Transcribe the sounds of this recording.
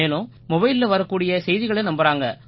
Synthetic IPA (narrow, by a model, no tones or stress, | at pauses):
eːlʊ̃ | mɔbɐɪlːʋɐɾɐkːuːɽɪjɐsɛjðɪɣɐɭenɐmbɐɾaːŋɡɐ